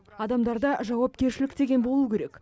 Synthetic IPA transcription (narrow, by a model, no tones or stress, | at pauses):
ɑd̪ɑmd̪ɑɾd̪ɑʒɑwɑpkʲe̞ɾʃɪlɪkt̪e̞ɡʲe̞nbo̞lˠukʲe̞ɾe̞k